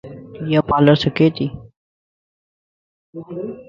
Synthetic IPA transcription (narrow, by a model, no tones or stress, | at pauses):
japaːləɾsokeːt̪i